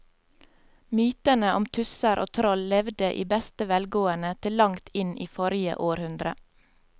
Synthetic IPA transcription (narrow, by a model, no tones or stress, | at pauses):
myːt̪ənəʔɔmt̪ʰʉsəɾʔoːt̪ʰɾɔllɛʋd̪əʔḭːbɛst̪əʋɛlɡoːənət̪ʰɪllɑŋt̪ɪniːfɔɾɪə̰ʔoːɾhʉnd̪ɾə̰